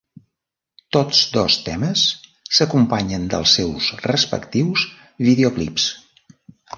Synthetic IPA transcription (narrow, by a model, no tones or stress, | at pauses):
t̪ot͡sd̪ɔst̪ɛməsː | əkumpaɲənd̪ə̰lˠsɛwsrəspə̰kt̪iws | βiðeoklḭps